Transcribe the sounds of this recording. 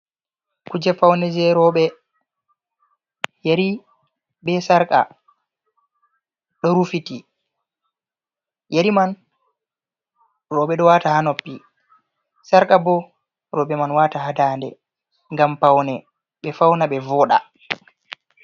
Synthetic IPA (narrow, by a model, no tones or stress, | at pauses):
kud͡ʒɛfawnɛd͡ʒɛɾɔɓɛ | jaɾi | bɛsaɾkʼa̰ | ɗɔɾufiti | jaɾiman | rɔɓɛɗɔwaːtahanɔpːi | saɾkʼabɔ | ɾɔɓɛmanwataɦadaːndɛ̰ | ŋɡampawnɛ | ɓɛfawnaɓɛvɔɗa̰